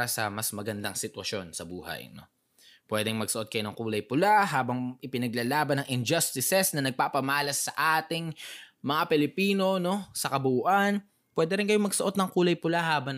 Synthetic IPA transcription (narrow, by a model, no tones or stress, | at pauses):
ɾɐsɐmɐsmɐɡɐnd̪ɐŋsɪt̪wɐʃo̞nsɐbṵːhɐ̰jno̞̰ | pwɛːd̪ɛŋmɐɡsɐʔo̞t̪kɐjonɐŋkuːlɐjpʊlaɦaːbɐŋʔɪpɪnɐɡ̚lalaːbɐnɐŋʔɪnd͡ʒɐst̪ɪsɛsnɐnɐɡ̚paːpɐmaːlɐsːɐʔaːt̪ɪŋmɐŋapɛlɪpiːno̞no̞sɐkɐbʊʔuːʔɐn | pwɛːd̪ɛɾɪnkɐjomɐɡsɐʔo̞t̪̚nɐŋkuːlɐjpʊlahaːbɐ